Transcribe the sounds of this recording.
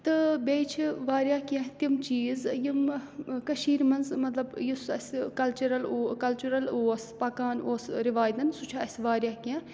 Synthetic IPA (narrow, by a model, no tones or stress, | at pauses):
t̪ɨbeːt͡ʃʰiʋaːɾʲjaːkʲãt̪imt͡ʃiːzjimkɐʃiːɾmɐnzmɐt̪lɐbjisɐ̰sʲkɐlt͡ʃɐɾɐlːkɐlt͡ʃuɾɐloːspɐkaːnoːsɾiʋaːjd̪ɐnsut͡ʃʰaɐsʲʋaːɾjaːkʲãː